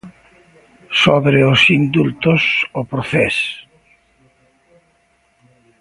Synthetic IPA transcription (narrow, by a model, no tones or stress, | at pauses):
soβɾeosind̪ult̪osopɾoθɛs